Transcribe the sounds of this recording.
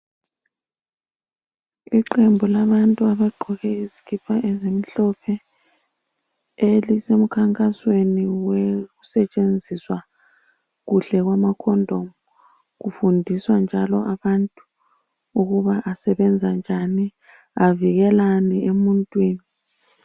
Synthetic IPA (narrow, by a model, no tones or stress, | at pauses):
iǃembʱulaβantʼuaβaɡ͡ǃʱɔɣɛizikʰipʰaʔɛzemiɬɔpʰɛ | elisem̩kʰaŋkʼasweniweɣusɛt͡ʃʼend͡zʱiswa | ɣuɬɛɣwamakʰɔndʱomu | ɣufundʱiswand͡ʒʱalɔ̰ʔaβantʼu̥ | uɣuβaʔasɛβɛnd͡zʱand͡ʒʱani | aviɣɛlaniemuntʼwiːni